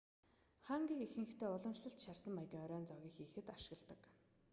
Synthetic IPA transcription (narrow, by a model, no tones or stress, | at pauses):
χaːŋɡʲiːkixɘ̆ŋxt̪ʰeːʊɮɞ̆mʃɮə̆ɬt̪ʃarsə̆mːajɣʲiːŋɔɾʲɔːnt͡sɔɣʲiːxiːxɘ̆t̪aʃɪ̆ɣə̆ɮt̪ə̆k